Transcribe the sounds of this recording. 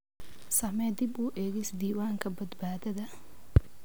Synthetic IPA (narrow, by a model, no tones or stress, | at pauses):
sɐmɛd̪ɪbuːʔɛːɡɪsd̪iːwaːŋkʰɐbɐd̪baːd̪ɐðɐ